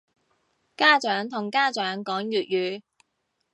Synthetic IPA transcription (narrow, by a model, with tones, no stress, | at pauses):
kaː˥t͡ʃœː˨˥ŋt̪ʰʊ˨˩ŋkaː˥t͡ʃœː˨˥ŋkɔː˨˥ŋjyː˨t̚jyː˨˧